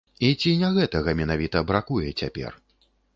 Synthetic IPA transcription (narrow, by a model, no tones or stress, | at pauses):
it͡sʲinʲaɣɛt̪ɐɣɐmʲɛnavʲit̪ɐbɾakujɛt͡sʲapʲɛ̰r